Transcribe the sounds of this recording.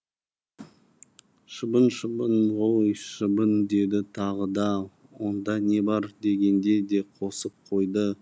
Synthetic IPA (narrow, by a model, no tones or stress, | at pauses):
ʃəbənʃəbənʁojʃəbənd̪e̞d̪ɪt̪ʰɑʁəd̪ɑ | wo̞nd̪ɑne̞bɑɾd̪e̞ɡʲe̞nd̪e̞d̪e̞qʰo̞səp̚qʰo̞jd̪ə